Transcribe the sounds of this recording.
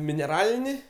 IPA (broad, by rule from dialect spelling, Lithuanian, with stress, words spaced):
mʲɪnʲɛˈrɑːlʲɪnʲɪ